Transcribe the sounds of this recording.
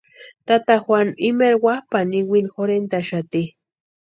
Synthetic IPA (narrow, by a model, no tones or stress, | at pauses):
t̪at̪axwanimeɾwahpaniwinxoɾent̪aʃat̪i